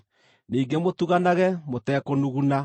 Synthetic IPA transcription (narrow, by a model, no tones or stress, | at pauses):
niːŋɡemotuɣanaɣɛmotɛːkonuɣuna